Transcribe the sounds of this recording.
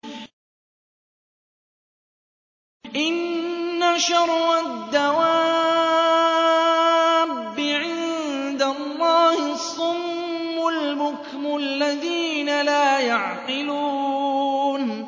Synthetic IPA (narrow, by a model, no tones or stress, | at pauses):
ʔɪnːaʃɑɾˤːad̪ːawa | bːɪʕɪnd̪alˤːɑːhɪsˤʊmː | ʊlbʊk | mʊlːaðiːnalaːjaʕqɪluː | n